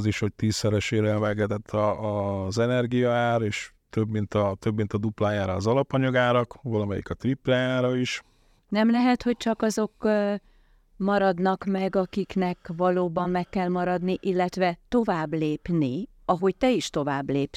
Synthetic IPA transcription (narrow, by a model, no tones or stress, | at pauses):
ziʃho̞c̚t̪iːsːɛɾɛʃeːɾɛnvɛɡɛt̪ɛt̪ʰːɒːzɛnɛrɡijɒaːɾeːʃ | t̪øbmint̪ɒt̪øbmint̪ɒd̪uplaːjaːɾɒːzɒlɒpɒɲɒɡaːɾɒkvɒlɒmɛjḭkɒt̪riplɛjaːɾɒiʃ | nɛmlɛɦɛt̪ho̞c̚t͡ʃɒkɒzo̞k | mɒɾɒd̪nɒkmɛɡɒkiknɛkvɒloːbɒmmɛkːɛlmɒɾɒd̪niʔilːɛt̪ʋɛt̪o̞vaːbleːpni | ɒɦo̞ct̪ɛiʃt̪o̞vaːbleːp